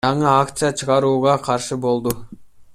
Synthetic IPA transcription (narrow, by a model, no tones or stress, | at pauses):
ɑɴɯakt̪sɨjat͡ʃʰɯʁɑɾuːʁɑqʰɑɾʃɯbo̞lˠd̪u